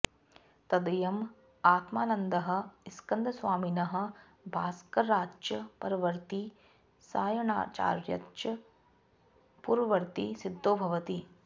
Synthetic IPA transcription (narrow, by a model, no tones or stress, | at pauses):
t̪ɐd̪ɐjɐm | aːt̪maːnɐnd̪ɐɦɐ̆iskɐnd̪ɐsʋaːminɐɦɐ̆ | bʱaːskɐɾaːt͡ʃjɐpɐɾɐʋɐɾt̪i | saːjɐɳa̰ːt͡ʃa̰ːɾjɐ̰t̪ɐ | puɾʋɐɾt̪isid̪ːoːbʱɐʋɐt̪i